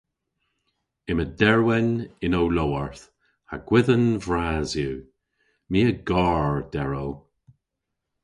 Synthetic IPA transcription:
ɪmədɛɹwɛnɪnowlowəɹθ | haɡ̥wɪðənvɹaːzju | miːəɡaːɹd̥ɛɹow

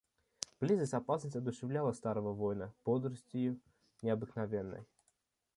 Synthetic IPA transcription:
b̥lʲizəsʲtʲapasnəsʲad̪ʊʂɛvlʲalˠəst̪aɾəvəvɔjnəpɔd̪ɾəsʲtʲɪjʊ | nʲɪɐbɨknavʲɛnːə̰j

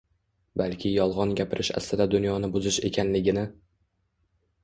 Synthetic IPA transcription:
balkʲʰɪjɒlˠʁɒnɡʲapʰɪɾʔɪʃa̰st̪ɪd̪ad̪ʊnjɒnɪbʊzɪʃe̞̰kʲʰanlɪɡʲɪnɪ

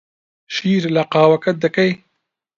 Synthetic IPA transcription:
ʃiːɾlaqɑːwakat̪̚d̪akaj

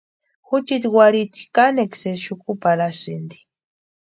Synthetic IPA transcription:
xut͡ʃit̪waɾit̪i̥kanekseʃukupaɾasind̪i̥

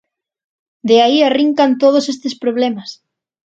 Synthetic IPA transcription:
d̪eaiariŋkant̪oð̞osest̪espɾoβ̞lemɐs

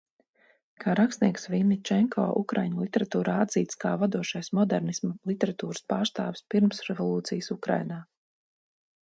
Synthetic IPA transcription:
kʰaːɾakst̪niɛksvimʲit͡ʃɛŋkʰɔ̰ːʔukɾa̰jɲlˠit̪ɛɾat̪uːɾaːad̪ziːt̪skaːvad̪uɔʃajsmɔd̪ɛɾnismalˠit̪ɛɾat̪uːɾɨspaːɾst̪aːvɪspiɾmsɾɛvɔlˠuːt̪sijəsukɾa̰jnaː

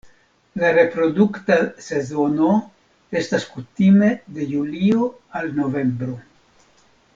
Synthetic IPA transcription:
laɾe̞pɾo̞duktase̞zo̞no̞ | e̞staskutime̞de̞julio | alno̞ve̞mbɾo

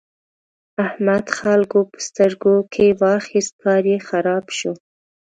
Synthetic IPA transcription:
ahmad̪xalɡopə̥st̪əɾɡokʰewɑxist̪̚kɑɾjexaɾɑbʃo

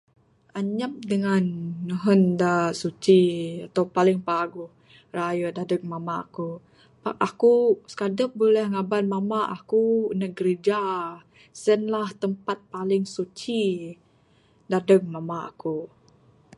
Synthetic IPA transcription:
ʔaɲəp̚dəŋanːəɦəndasut͡ʃiat̪awpalɪŋpaɡuh | rajədadək̚mamaa̰ku | paʔakuskadəp̚bolɛhŋabanmamaʔakunəɡɾid͡ʒa | sənlaht̪əmpat̪̚palɪŋsut͡ʃi | dadək̚mamaa̰ku

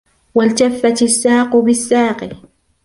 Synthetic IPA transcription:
walt̪afːat̪asːaːqʊbɪsːaːqɪ

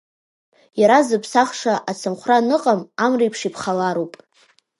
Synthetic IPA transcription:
jaɾazɨpʰsaχʂaʔat͡sʰɨmχʷranɨqʼamamrijpʰʂipʰχalaɾopʼ

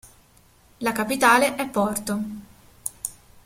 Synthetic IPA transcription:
lakapit̪aːleʔɛpːɔrt̪o

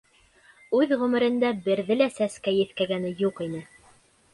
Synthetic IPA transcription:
ʉðʁɵ̆mɘ̆ɾɘ̆nd̪æbɘ̆ɾðɘlæsæskæjɘ̆θkæɡænɘjuqinɘ

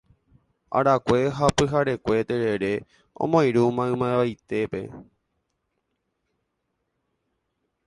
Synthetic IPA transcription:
a̰ɾakʷe̞ɦapɨɦaɾe̞kʷe̞t̪eɾe̞ɾe̞ | õ̰mõj̃ɾumãɨ̃mãẽʋajt̪e̞pe̞̰

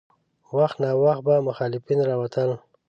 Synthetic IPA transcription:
waxt̪nɑwaxt̪̚bamʊxɑlɪfinɾɑwat̪ʰəl

